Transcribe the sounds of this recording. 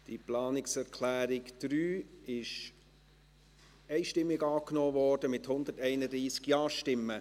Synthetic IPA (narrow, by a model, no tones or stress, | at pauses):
d̥iplɑːnɪksɛɾkʰlæːɾɪkd̥ɾyːɪʃ | ɛɪʃtɪmːɪɡɑːknɔːvɔːɾd̥əmɪthʊnd̪ətɛɪnədɾiːskjɑːʃtɪmːə